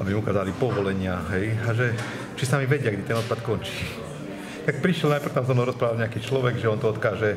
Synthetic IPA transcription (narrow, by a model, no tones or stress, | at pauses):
abimukaːzalipɔʋɔlɛɲɪaɦɛjaʒɛ | t͡ʃisamiʋɛɟɪakɛd̪it̪ɛnɔt̪̚pat̪kɔnt͡ʃi̥ː | t̪ak̚pɾiʃjɛlnajpr̩ft̪amzɔmnɔʊɾɔspɾaːʋalɲɛakiːt͡ʃlɔʋɛɡʒɛɔnt̪ɔɔt̪kaːʒɛ